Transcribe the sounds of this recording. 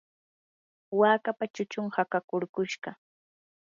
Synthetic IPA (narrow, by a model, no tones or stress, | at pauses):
waːkapat͡ʃʊt͡ʃʊŋhakakʊɾkʊʃɢɑ